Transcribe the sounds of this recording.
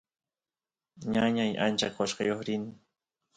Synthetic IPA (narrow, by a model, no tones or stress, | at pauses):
ɲaɲaja̰nt͡ʃakqoʃqɑjoχɾɪnɪ